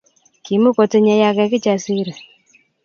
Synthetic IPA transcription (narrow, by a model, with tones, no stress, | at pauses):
ki˨mu˦ko˨te˦ɲa˧ja˨kɛ˨ki˦t͡ʃa˨si˦ɾe˨